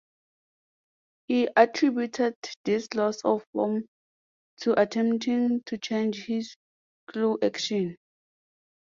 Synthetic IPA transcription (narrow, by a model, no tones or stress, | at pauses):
hiʔatʰɹibjutʰɛdðislɔsɔv̥fɔm | tʰuʔatʰɛ̃mptĩŋtʰut͡ʃʰẽnd͡ʒhiz | kʰluʔakʃɔ̃n